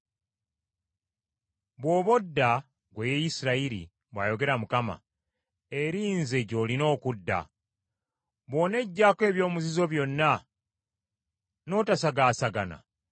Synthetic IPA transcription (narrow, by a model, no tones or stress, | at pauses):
βwo̞ːβo̞dːa | ɡwejejisiɾaiɾḭ | βwaːjo̞ɡe̞ɾamukama̰ | e̞ɾiːnze̞ɟo̞lino̞ːkudːa̰ | βo̞ːne̞ɟːaːkwe̞ːβjo̞ːmuzizo̞βjo̞nːa | no̞ːtasaɡaːsaɡana̰